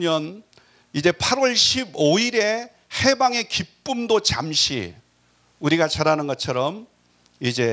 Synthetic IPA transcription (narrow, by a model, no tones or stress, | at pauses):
mjʌn | id͡ʑe̞pʰaɾwʌɭɕʰiboiɾe̞ | he̞baŋe̞kip͈umdot͡ɕa̰mɕʰḭ | uɾiɡat͡ɕaɾanɯnɡʌt͡ɕʰʌɾʌm | id͡ʑe̞